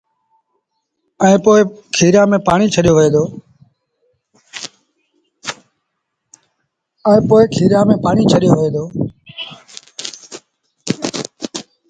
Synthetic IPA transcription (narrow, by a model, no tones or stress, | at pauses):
ɛ̃ːpoːɪkʰiːɾjãːmẽːpaːɳiːt͡ʃʰəɗijoːʋəẽːd̪oː | ɛ̃ːpoːɪkʰiːɾjãːmẽːpaːɳiːt͡ʃʰəɗijoːʋẽːd̪oː